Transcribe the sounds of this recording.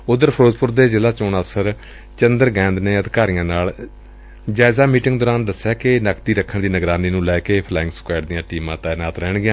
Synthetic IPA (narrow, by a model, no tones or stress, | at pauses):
ʊd̪əɾpʰəɾoːzpʊɾd̪eːd͡ʒɪlaːt͡ʃoːnəfsəɾ | t͡ʃənd̪əɾɡɛ̃ːnd̪neːəd̪ɪkaːɾijãːnaːl | d͡ʒaːɪzaːmiːʈɪŋɡd̪ɔːɾaːnd̪əsːaːkɪnəkt̪iːɾəkʰːəɳd̪iːnəɡɾaːniːnũːlɛːkeːpʰlaːɪ̃ŋɡsə̥kaːɖ̚d̪ɪjãːʈiːmãːt̪ɛːnaːt̪ɾɛːɳɡɪjãː